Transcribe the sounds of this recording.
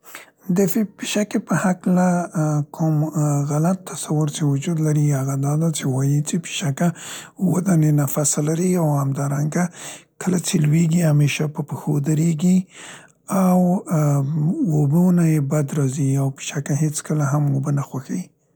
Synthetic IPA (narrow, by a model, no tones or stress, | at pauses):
d̪əfpiʃakepəhaklakʰʊmɣalat̪ːasawʊɾt͡ʃewʊd͡ʒud̪laɾiaɣad̪ɑd̪at͡ʃewɑjit͡ʃepi̥ʃakawəd̪anenafasalaɾiawhamd̪ɑɾaŋɡakʰəlat͡ʃelweɡihameʃapəpəxod̪əɾeɡi | aw | obənajebad̪ɾɑziawpi̥ʃakaɦet͡skəlaɦamobənaxwaxai